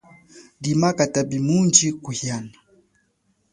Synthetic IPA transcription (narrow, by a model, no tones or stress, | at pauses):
dimakatabimund͡ʒikuhiana